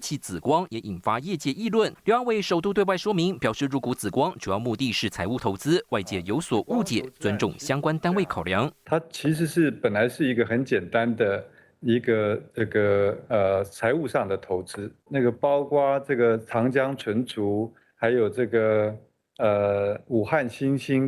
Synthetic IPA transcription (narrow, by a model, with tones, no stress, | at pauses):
t͡ɕʰi˥˩t͡sɹ̩˨˩kwɑ˥ŋjɛ˧˥ʔi˨˩nfa˥jɛ˥˧t͡ɕjɛ˥˧i˥˧lwə˥˩nljo˧˥a˥˧ŋwe˥˩ɪʂo˨˩ʊt̪u˥˧t̪we˧wɪʂwɔ˥mi˧˥ŋpjɑ˨˩ʊʂɻ̩˥˩ɻu˧˥ku˧˥t͡sɹ̩˨˩kwɑ˥ŋt͡ɕu˨˩jɑ˥˧ʊmu˥˧t̪i˥˧ʂɻ̩˥˩t͡sʰa˧ɪu˥˩t̪ʰo˧˥ʊt͡sɹ̩˥wa˥˧ɪt͡ɕjɛ˥˩jo˧˥ʊswɔ˨˩ʔu˥˩t͡ɕjɛ̰˨˩˦t͡swə˥nʈ͡ʂʊ˥˩ŋɕjɑ˥ŋkwa˥nt̪a˥nwe˥˩ɪkʰɑ˨˩ʊljɑ˧˥ŋt̪ʰa˥t͡ɕʰi˧˥ʂ̬ɻ̩˧˥ʂɻ̩˥˩pə˨˩nla˧˥ɪʂɻ̩˥˩i˧˥ɡə˧xə˧˥nt͡ɕjɛ˨˩nt̪a˦˥nd̪ə˨ | i˧˥ɡə˧ʈ͡ʂɤ˥˩ɡə˩ə˩t͡sʰa˧˥ɪu˥˧ʂɑ˥˩ŋd̪ə˩t̪ʰo˧˥ʊt͡sɹ̩˥na˥˩ɡə˩pɑ˥ʊkwa˥ʈ͡ʂɤ˥˩ɡə˩t͡sʰɑ˧˥ŋt͡ɕjɑ˥ŋʈ͡ʂʰwə˧˥nʈ͡ʂʰu˧˥ | xa˧˥ɪjo˨˩ʊʈ͡ʂɤ˥˩ɡə˩ | ə˩u˨˩xa˥˩nɕi˥nɕi˥n